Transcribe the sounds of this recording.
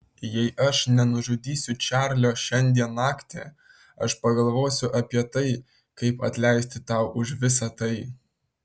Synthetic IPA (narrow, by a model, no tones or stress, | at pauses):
jɛɪʔɐʃnʲɛnʊʒʊd̪ʲiːsʲʊt͡ʃʲæːɾʲlʲoːʃʲɛnʲd̪ʲiɛnnɑːkt̪ʲḛː | ɐ̰ʃpɐɡɐlˠʋoːsʲʊʔɐpʲiɛt̪ɐɪ | kɐɪpɐ̰t̪ʲlʲɛɪsʲt̪ʲɪt̪ɑˑʊʔʊʃʋʲɪsɐt̪ɐɪ